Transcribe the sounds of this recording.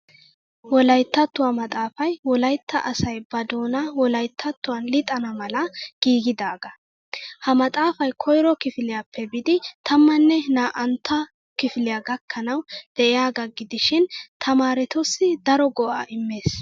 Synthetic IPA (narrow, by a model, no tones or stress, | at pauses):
wɔlɐjt̪ːɐt̪ːʊwɐmɐt̪ʼaːfɐjwɔlɐjt̪ʰːɐ̰ʔɐsɐjbɐd̪oːnɐwɔlɐjt̪ʰːɐt̪ːʊwɐnlɪt̪ʼːɐnɐmɐlɐɡ̥iːɡɪd̪aːɡɐ | hɐmɐt̪ʼaːfɐjkʰɔjɾɔkɪfɪlɪjapːɛbɪd̪ɪt̪ʰɐmːɐnːɛnaːʔɐnt̪ːɐ | kɪfɪlɪjaɡɐkːɐnɐwd̪̥ɛʔɪjaːɡɐɡɪd̪ɪʃɪnt̪ʰɐmaːɾɛt̪ɔsːɪd̪ɐɾɔɡɔʔa̰ːʔɪmːe̞ːs